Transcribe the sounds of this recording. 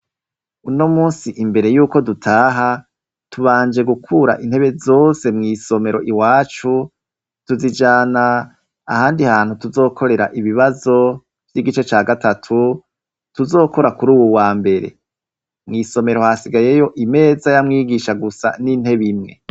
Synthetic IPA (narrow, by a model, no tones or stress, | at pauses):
unomuːnsiʔimbe̞ɾe̞juːko̞dutʰaːɦa | tʰuβaːnd͡ʒe̞ɡukʰuɾa̰ʔin̥he̞βe̞zo̞ːse̞mŋiːso̞me̞ɾo̞ʔiwaːt͡ʃu | tuzid͡ʒaːnaː | haːndihaːnhutuzo̞ːkʰo̞ɾe̞ɾaʔiβiβazo̞ | vjiɡit͡ʃet͡ʃaːɡatʰatʰu | tuzo̞ːko̞ɾakuɾuːwuwaːmbe̞ɾe̞̰ | mŋiːso̞me̞ɾo̞hasiɡaje̞jo̞ʔime̞ːzajamŋiːɡiʃaɡusa̰nin̥he̞βimŋe